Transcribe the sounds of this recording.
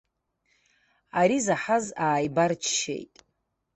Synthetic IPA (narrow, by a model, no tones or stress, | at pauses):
aɾizaħazaːjbart͡ʃʰʃḛjtʼ